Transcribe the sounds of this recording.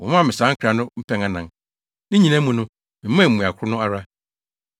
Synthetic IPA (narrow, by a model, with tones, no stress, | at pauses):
wɔ˨˦ã˦˨mɪ̃˨sã˨˦ŋ̩˦kʰɾa˨nʊ̃˦m̩˦pʰɛ̃˦ŋã˨nã˨ŋ | nɪ̃˦ɲĩ˨nã˦mũ˨nʊ̃˦ | mɪ̃˨˦mã˦˨m̩˨mũ˨a˨kʷʰʊ˦nʊ̃˦a˦ɾa˦